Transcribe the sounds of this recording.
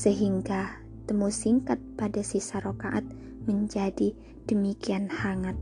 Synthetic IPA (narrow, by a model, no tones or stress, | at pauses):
səɦiŋɡa | t̪əmusiŋkat̪̚padasisaɾokaʔat̪̚ | məɲd͡ʒadi | d̥əmikianhaŋat̪̚